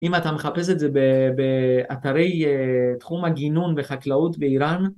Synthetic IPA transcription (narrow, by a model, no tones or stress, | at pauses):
ʔimat̪ameχape̞s̬etzebebeat̪aɾe̞jtχumaɡinunve̞χaklautbeiɾan